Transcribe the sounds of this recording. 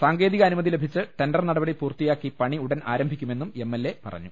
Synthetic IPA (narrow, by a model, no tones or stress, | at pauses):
saːŋɡe̞ːðiɣɐːnumɐðile̞bʱit͡ɕːɨʈe̞nɖɐrnɐɽɐbɐɽipuːrt̪ijaːkːipɐɳiuɽɐna̰ːɾɐmbʱikʲːume̞nːume̞mːelːe̞pɐ̰rɐ̰ɲːu